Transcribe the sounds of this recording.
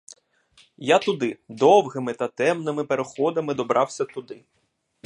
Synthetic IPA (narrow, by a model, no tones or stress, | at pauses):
jat̪ʊd̪ɪd̪ɔwɦɪmɪt̪ɐt̪ɛmnɪmɪpeɾexɔd̪ɐmɪd̪ɔbɾʔɑwsʲɐt̪ʊd̪ɪ